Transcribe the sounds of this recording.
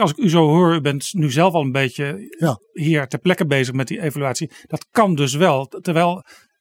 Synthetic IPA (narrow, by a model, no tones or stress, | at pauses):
ɑlˠsɪkyzowɦoːɹybɛntnyzɛlˠfɑlˠənbejcə | ɦiːɹtɛɹplɛkəbejzəχmɛt̚diejvalyaːtsid̥ɑtkɑndɵs̬ʋɛlˠtɛɹʋɛjlˠ